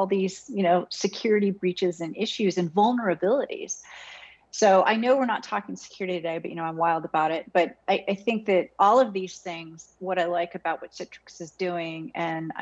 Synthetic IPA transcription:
ɔlˠðiz̥jɨnoʊsɨkʰj̥ʊɹɨɾibɹit͡ʃɨzɨ̃nɪʃʉzɨ̃nvʌlˠnə˞ɨbɪlˠəɾḭz̥ | soʊʔa̰ɪnoʊwɨɹnətʰɔkɪ̃ŋsɨ̥kʰj̥ʊɹɨɾiɨdeɪbʌʔ̚jɨnoʊãɪ̃mwaɪlˠdəbaʊɾɪt̚b̥ʌɾaɪʔaɪθɪ̃ŋk̚ðɨɾʔɔlˠʌvðiz̥θɪ̃ŋz̥wʌɾaɪlaɪkɨbaʊt̚wʌtsɛtʰɹ̥ɨksɨzdʉɪ̃ŋɨ̃n̰

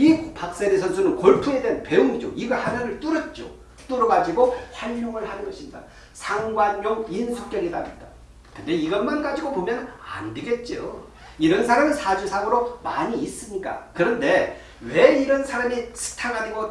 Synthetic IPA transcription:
ipak̚s͈eɾisʰʌnsʰunɯnkoɭpʰue̞denpe̞uŋid͡ʑo̰iɡʌhaɾʌnɯɭt͈uɾʌt̚t͡ɕ͈o̰ | t͈oɾʌɡad͡ʑiɡohwaʎːoŋɯɭhanɯnɡʌɕʰinda̰ | sʰaŋɡwanmjoŋinsʰuk̚k͈jʌɾida̰mitt͈a | kɯnde̞iɡʌnmanɡad͡ʑiɡopomjʌna̰ndeɡe̞t̚t͡ɕ͈io̰ | iɾʌnsʰaɾaminsʰad͡ʑusʰaɡɯɾomaɲiːs͈ɯmɲik͈a̰kɯɾʌnde̞ | we̞iɾʌnsʰaɾamisʰɯ̥tʰaɡaniɡo

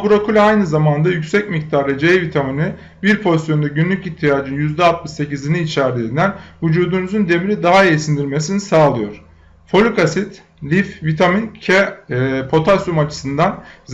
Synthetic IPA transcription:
buɾokʰulʲajnɯzamand̪ajycʲsɛcmic̚t̪ʰaɾlɯd͡ʒevit̪ʰamini | biɾpʰo̞zt̪jo̞nd̪aɟynlʲyciçt̪ʰijaːd͡ʒɯnjyzd̪ɛat̪̚mɯʃse̞ciziniːt͡ʃʰæɾd̪ʲiːnd̪ænvud͡ʒuːd̪unuzund̪e̞miɾid̪aɦaesind̪iɾme̞sinisaːlˠɯjo̞ɾ̥ | fo̞lʲykasit̪ | lʲifvit̪ʰamincʰɛpʰo̞t̪ʰasumat͡ʃʰɯ̥sɯnd̪anz

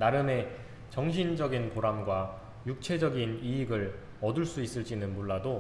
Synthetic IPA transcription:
naɾjɯne̞ | t͡ɕʌŋɕʰind͡ʑʌɡinpoɾamɡwa | juk̚t͡ɕʰe̞d͡ʑʌɡiniːɡɯɭ | ʌduɭs͈uis͈ɯɭt͡ɕ͈inɯnmoɭːado

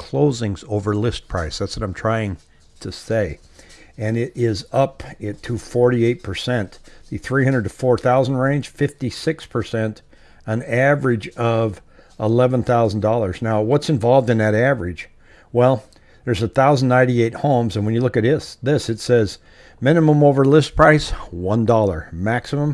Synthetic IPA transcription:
kʰl̥oʊzɪ̃ŋzoʊvə˞lɪs̚pʰɹ̥aɪsðætswʌɾãɪ̃mtʰɹ̥aɪɪ̃ŋ | tʰɨseɪ | ɨ̃nɪɾɪzʌpɪtʰəfɔɹɾieɪt̚pʰə˞sɛ̃nðɨθɹiɦʌ̃ndɹədɨfɔɹθaʊzn̩dɹẽɪ̃nʒ̥fɪftisɪkspʰə˞sɛ̃nt | ə̃nævə˞ɪd͡ʒʌv | ɪlɛvə̃nθaʊzn̩dɔlˠə˞znaʊwʌtsɨ̃ɱvɑlˠvdɨ̃nðɨɾævə˞ɪ̥ʒ̥ | wɛlˠ | ðə˞zɨθaʊzn̩nːãɪ̃nɾieɪt̚hõʊ̃mzɨ̃nwɨ̃njɨlʊkɨtɪsðɪsɨtsɛz | mɪ̃nɨmə̃moʊvə˞lɪs̚pʰɹ̥aɪswʌ̃ndɔlˠə˞mæksɨmə̃m

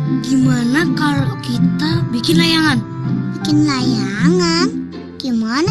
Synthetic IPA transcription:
ɡimanakalokit̪abikɪnlajaŋan | bikɪnlajaŋan | ɡ̥imana

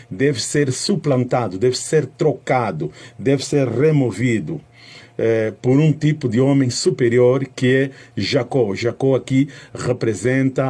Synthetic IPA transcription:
d̪ɛvɪseɾsuplɐ̃nt̪ad̪ud̪ɛvɪseɾt̪ɾokad̪ud̪ɛvɪseɾremovid̪u | ɛpoɾũt̪ipud̪ɪõmẽj̃supeɾjoɾkɪɛʒakoʒakoakiʁepɾezẽnt̪ɐ

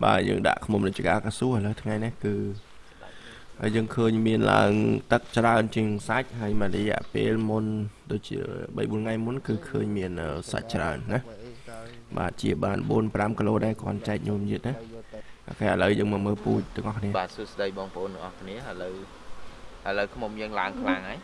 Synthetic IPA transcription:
ɓaːjə̰ːŋɗa̰ʔkʰmumnɨt͡ɕiəkaːlkaːsuːəhələwt̪ʰŋajnakɨː | haəjəːŋkʰəːɲmiənla̰əŋt̪ɨk̚t͡ɕraənt͡ɕiəŋsac̚haəjmanrɔjɛ̆əʔpeːlmunɗoːc̚t͡ɕḭəɓə̰jɓuənŋajmʊnkɨːkʰəːɲmiənʔəːsa̰c̚t͡ɕra̰ənːah | ɓa̰ːt̪̚t͡ɕiəɓaːnɓuənpramkəloːɗaɛlkŏənt͡ɕaɛk̚ɲuəmjiət̪̚naka̰kaːʔələwjəːŋməːməːlpuːc̚t̪ʊ̆ŋʔɑhkʰniəɓaːtsuəsɗəjɓɑːŋpəʔoːnt̪əŋʔɑhkʰniəʔələw | ʔəələwkʰmumjəːŋlaəŋkʰlaŋaj

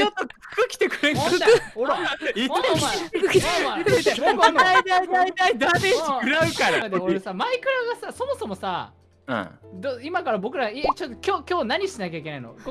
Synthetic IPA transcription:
ot̪ːo̥ | kɯkʲi̥t̪ekɯ̟ɾẽŋooɾa | at̪ekond̪aiait̪aid̪ad̪eiɯɾaɯkaɾaad̪eoɾesamaikɯ̟ɾaɡasaso̞mo̞so̞mo̞sã̰ | d̪oimakaɾabo̞kɯ̟ɾait͡ɕot̪ːokʲo̞ːkʲo̞ːnaɲ̟iɕt̪inakʲaikʲe̞naino̰ɡ

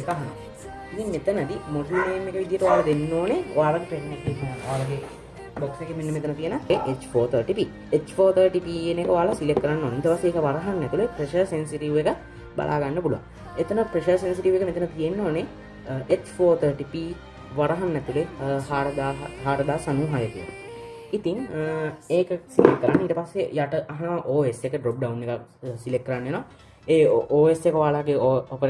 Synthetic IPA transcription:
ekaɦana̰ | it̪iŋmet̪ənəd̪imoslimeːmːekəʋid̪ijəʈəʋaːləd̪enːoːneo̰ʋaːɾɐɡepeɾnekikinəoaːɾəɡe | boksekemenːemet̪ənət̪ijənəeʔet͡ʃfoːt̪ʰəːɾʈipiː | et͡ʃfoːt̪ʰəɾʈipiːenekəʋaːlɐsilekːəɾanːoːneit̪əpasːeːkəʋaɾɐɦanːɛt̪ulepɾeʃəɾsensiʈiʋekə | ba̰lʔa̰ːɡanːəpuluʋa̰ŋ | et̪ənəpɾeʃəɾsensiʈiʋekəmet̪ənət̪ijenːoːne | et̪foːt̪ʰəːʈipiː | ʋaɾɐɦanːɛt̪ulehaːɾəd̪aːɦɦaːɾəd̪aːsanuɦajət̪ujḛ | it̪iŋ | eːkəsilekkːəɾanːiːt̪əpasːejaʈəʔaɦanəʋaʔoːesekəɖɾok̚ɖaunːekak | silek̚kːəɾanːeːnɔã | eːoːesekəʋaːlaːɡeoopəɾ

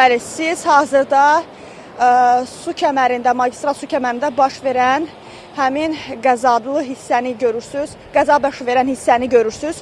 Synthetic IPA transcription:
bælisiz̥hɑːzɯɾd̪ɑ | sucʰæmæɾind̪æmɑɟist̪ɾɑlˠsucʰæmæɾind̪æbɑʃve̞ɾæn | hæminɡæzɑd̪lˠɯɦisːæniɟø̞ɾyɾsyz̥ | ɡ̥æzɑbɑʃve̞ɾænhisːæniɟø̞ɾyɾsyz̥

